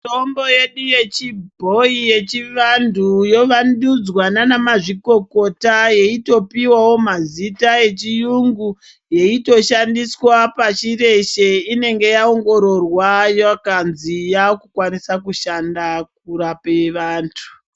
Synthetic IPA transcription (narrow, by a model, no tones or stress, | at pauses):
tombo̞jeɗuje̞t͡ʃibʱo̞ije̞t͡ʃiʋandujo̞ʋandud͡zwananamaʐiko̞ko̞taje̞ito̞piwawo̞mazitae̞t͡ʃijuŋɡu | je̞ito̞ʃandiswapat͡ʃiɾe̞ʃe̞ine̞ŋɡe̞jaoŋɡo̞ɾo̞rwajakanzijakukwanisakuʃandak̚uɾapeʋaːntʰu̥